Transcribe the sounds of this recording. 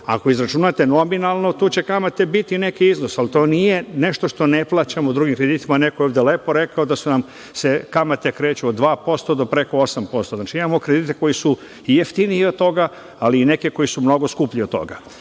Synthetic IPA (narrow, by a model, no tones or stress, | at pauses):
a̰ko̞izɾat͡ʃunat̪eno̞minalˠno̞t̪uːt͡ɕe̞kamat̪e̞bit̪ine̞kiizno̞salit̪o̞ːnije̞ne̞ʃt̪o̞ʃt̪o̞neplˠaːt͡ɕamoud̪ɾuɡimkɾe̞d̪it̪imanekojoʋd̪elepo̞ɾe̞kaod̪asunam | sekamat̪e̞kɾe̞ːt͡ɕuod̪ʋaːpo̞st̪o̞d̪o̞pɾe̞ko̞osampo̞st̪onaːt͡ʃiimamo̞kɾed̪iːt̪eko̞jisu | ijeft̪iniiod̪̚t̪ːo̞ɡa | aliːne̞keko̞jisumno̞ɡoskupʎiot̪t̪ːo̞̰ɡa̰